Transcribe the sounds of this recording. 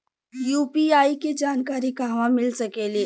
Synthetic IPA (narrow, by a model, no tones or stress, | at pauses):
juːpiaːiked͡ʒaːnkaːɾikaːʋãmɪlsəkeːli